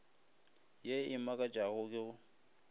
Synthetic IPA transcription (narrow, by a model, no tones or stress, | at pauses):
jeɪmakʼad͡ʒʼaɣʊkʼɪɣʊ